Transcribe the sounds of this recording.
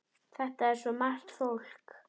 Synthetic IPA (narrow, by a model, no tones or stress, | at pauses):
θɛht̪aɛɾ̥sɔmar̥t̪fowl̥k